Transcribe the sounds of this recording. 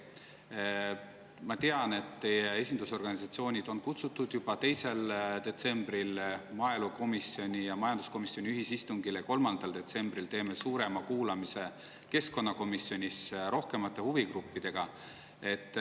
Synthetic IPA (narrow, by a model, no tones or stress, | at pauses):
mɑt̪eɑne̞t̪t̪e̞jee̞sʲind̪uso̞rɡ̥ɑnisɑt̪sio̞ːnʲid̪̥o̞nkut̪sut̪ːˑud̪̥jub̥ɑt̪e̞jse̞ld̪̥e̞t̪se̞mb̥ɾilmɑe̞luko̞misːio̞nʲijɑmɑjɑnd̪u̥sko̞misjo̞nʲiyɦisist̪uŋɡileko̞lmɑnd̪̥ɑld̪̥e̞t̪se̞mbɾilt̪e̞ːme̞suːɾe̞mɑkuːlɑmise̞ | ke̞sko̞nːɑko̞misːjo̞nʲisɾo̞hke̞mɑt̪ːˑe̞huvikrupːid̪̥e̞ɡ̥ɑ | e̞t̪ːˑ